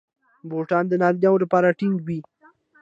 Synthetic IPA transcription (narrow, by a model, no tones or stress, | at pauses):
boʈɑnd̪ənɑɾlɑwolapɑɾaʈɪŋɡwi